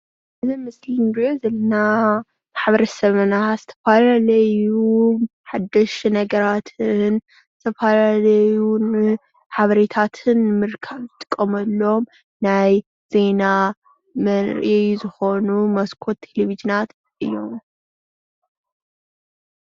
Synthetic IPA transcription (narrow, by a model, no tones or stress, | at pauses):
ʔɨzimɨslinbozɐlɐna | maħβɐɾɐsɐmɐnaz̥ɨt̪ʰɐ̥falalɐjuħad̪ːɐʃnɐɡɐɾat̪ʰɨn | zɨt̪ʰɐfalalɐjun | ħaβɐɾet̪ʰat̪ʰɨnmɨɾkʰɐβzɨt̪ʼɨ̥kʼːɐmɐlːo̞m | naj | z̥e̞na | mɐnɾʔejzɨxo̞numɐskʰo̞t̪ʰːelevid͡ʒɨnat̪ | ʔɨjːo̞m